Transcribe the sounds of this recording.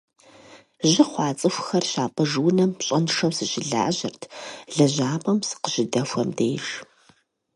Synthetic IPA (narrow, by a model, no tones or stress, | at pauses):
ʑɪχʷɑːt͡sʼɨxʷxɐrɕaːpʼɐʐwnɐmɕʼɐnʂɐwsɨɕɪɮa̰ːʑɪrtʰɮɐʑaːpʼɐmsɨ̥qəʒɪdɐfʷɐmdeːʒ